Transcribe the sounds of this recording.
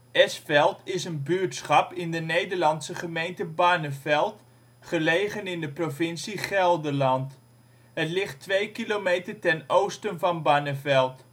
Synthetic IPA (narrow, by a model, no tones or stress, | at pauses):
ɛsfɛlˠtɪsənbyɹtsχɑpɪndənejdəɹlɑntsəχəmejntəbaːnəvɛlˠt | χəlejχənɪndəprovɪnsiχɛlˠdəɹlɑnt | ɦətlɪχtʋejkilomejtəɹtɛnowstənvɑnbaːnəvɛlˠt